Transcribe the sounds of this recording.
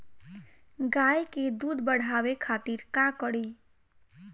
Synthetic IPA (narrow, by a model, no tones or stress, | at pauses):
ɡaːjked̪ud̪bəɽ̤ʱawekʰat̪iɾkakəɽi